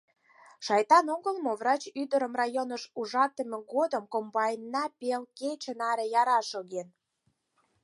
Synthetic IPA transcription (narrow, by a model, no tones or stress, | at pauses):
ʃɑjt̪ɑnoɣəlˠmovrɑt͡ɕyd̪əɾəmrɑjonəʃuʒɑt̪əmeɣod̪əmkombɑjnːɑpelket͡ɕənɑɾejɑɾɑʃoɣen